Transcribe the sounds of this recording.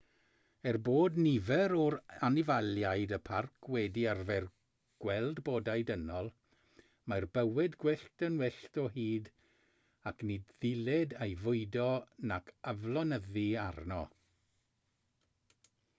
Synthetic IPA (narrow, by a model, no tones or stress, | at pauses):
ɛrboːdnɪvɛɾɔɾanɪvalˠjajdəpʰarkʰwɛdiarvɛr | ɡ̥wɛlˠdboːdajdənɔlˠ | marbəwɪdɡwɪɬtənwɪɬtɔɦiːd | akʰnidðɪlɛdajvʊɨdɔnakʰavlˠɔnəðiarnɔ̰